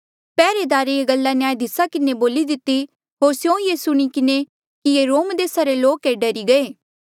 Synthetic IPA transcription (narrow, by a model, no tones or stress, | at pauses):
pɛːɾed̪aːɾeeɡɐlːanejaːjd̪ɪsakɪneboːlid̪ɪt̪ːi | ɦoːɾsjõjeːsʊɽ̃ikɪne | kijeːɾoːmd̪eːsaɾeloːkeɖɐɾiɡɐeː